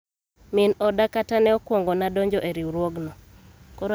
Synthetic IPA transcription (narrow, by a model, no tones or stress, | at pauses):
minɔdakatanɛɔkwɔŋɡɔnadɔɲd͡ʒɔʔeɾiuɾwɔɡnɔ | kɔɾ